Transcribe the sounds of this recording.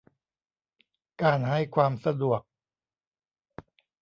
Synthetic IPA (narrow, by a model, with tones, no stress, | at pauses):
kaː˧nɦa˥˩jkʰwaː˧msa˧du˨˩ək̚